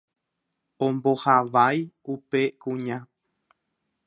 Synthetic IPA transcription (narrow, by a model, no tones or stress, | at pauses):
õmbo̞haʋajupe̞kũɲã